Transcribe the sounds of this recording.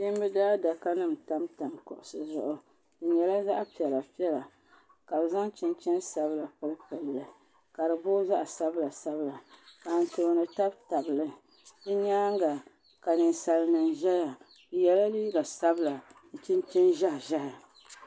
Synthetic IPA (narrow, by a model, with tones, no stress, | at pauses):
ji˦m˦bɨ˦daː˦da˨ka˦nɨ˦m̩˨ta˦mta˨nkʊ̰˨ʔʊ˨sɨ˦zʊ˨ʔʊ˦ | dɨ˨ɲɛ˨la˦za˦ʔpi˨ɛ˨la˨pi˦ɛ˦la˨ | ka˨bza˦ŋt͡ʃɪ˦nt͡ʃɛ˦nsa˦bɨ˦la˨pɨ˦lɨ˦pɛ˨llɨ˨ | ka˨ɾɨ˨boː˦za˦ʔsa˦bla˨sa˦bla˨ka˨n̩˨to˨nɨ˨ta˦bta˨bɨ˨lɨ˦ | dɨ˦ɲaː˦ŋɡa˨ | ka˨nɨ˨n˨sa˨lnɨ˨nʒɛ˦ja˨ | ɨ˨jɛ˦la˦liː˦ɡa˨sa˦bɨ˦la˨n̩˨t͡ʃɪ˦nt͡ʃɛ˦nʒa˦hʒɛ˦ja˨